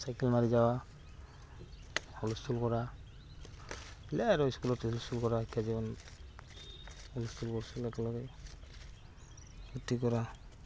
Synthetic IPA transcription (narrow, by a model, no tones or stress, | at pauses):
sajkɛlmaɹizawa | ɔluskʰulkɔɹa | laɾɔiskulɔtɔluskulkɔɹaekʰjazibɔn | ɔluskulkɔɹsilɛkɔlɔɾɛ | utikɔɾa